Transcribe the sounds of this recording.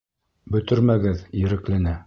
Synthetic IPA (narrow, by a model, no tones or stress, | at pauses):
bɵ̆t̪ɵ̆ɾmæɡɘðjɘ̆ɾɘ̆klænæ